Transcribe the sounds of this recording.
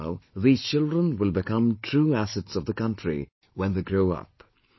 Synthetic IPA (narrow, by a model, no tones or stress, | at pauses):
ʊðiːz̥t͡ʃɪlˠdɹə̃nwɪlˠbɨkʌ̃mtʰɹ̥uæsɨtsʌvðəkʌ̃ntʰɹ̥ḭ | wɛ̃nðeɪɡɹoʊʌ̰p